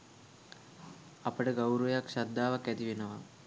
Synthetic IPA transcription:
ɐpəɖɐɡɐwɾujakʃɐd̪ːaːʋɐkːɛt̪iʋinɐʋa̰

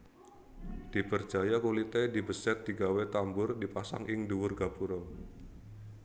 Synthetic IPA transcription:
d̥ipərd̥d͡ʒ̥ajakolit̪edibəsɛt̪̚d̥̪iɡawet̪ambʊrdipasa̰ŋʔɪŋduwʊrɡabuɾɔŋ

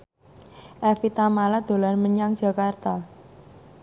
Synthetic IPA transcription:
ʔɛfit̪amalad̪̥o̤lanməɲaŋ̥d͡ʒ̥a̤kart̪a

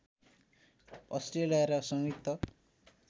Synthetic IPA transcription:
ʌsʈrelijaɾʌsʌŋit̪ʰːʌ

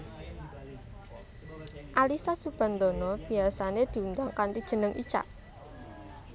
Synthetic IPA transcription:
ʔalisasub̥a̤nd̪ɔnɔb̥i̤asaned̪̥i̤und̪aŋkant̪id̥ʒ̥ə̤nəŋʔḭt͡ʃa̰ʔ

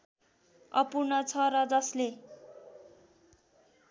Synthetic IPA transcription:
ʌpurnʌt͡sʰʌɾʌd͡zʌsle

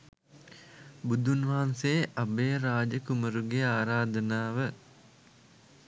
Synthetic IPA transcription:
bud̪ʱunʋaɦanseʔabeːɾaːd͡ʒəkuməɾuɡeaːɾaːd̪ənaːʋə

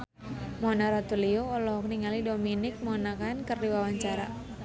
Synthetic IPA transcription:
mɔnaɾat̪ulioɔlɔɦɔk̚niŋalidominɪk̚mɔnakankɨrdiwawaɲt͡ʃaɾa̰

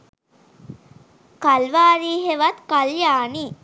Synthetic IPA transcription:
kalʋaːɾiːɦeʋat̪kaljaːni

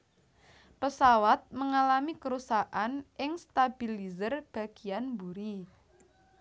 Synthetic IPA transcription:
pəsawat̪̚məŋalamikəɾusaʔanɪŋst̪ab̥ilizərb̥a̤ɡ̥i̤anbuɾi

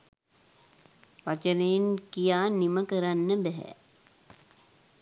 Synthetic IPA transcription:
ʋat͡ʃənejːŋkijaːniməkəɾanːəbɛɦɛ̰

